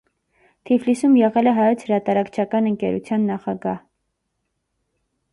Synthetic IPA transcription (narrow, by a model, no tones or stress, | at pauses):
t̪ʰiflisumjɛʁɛlɛɦɑjɔt͡sʰhəɾɑt̪ɑɾɑkt͡ʃʰɑkɑnəŋkɛɾṵt͡sʰjɑnːɑχɑɡɑh